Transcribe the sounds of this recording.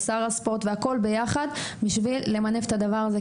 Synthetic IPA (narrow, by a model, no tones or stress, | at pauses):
saʁaspo̞ʁt̪veako̞lbe̞jaχad̪biʃvilːemanefet̪ad̪avaʁaze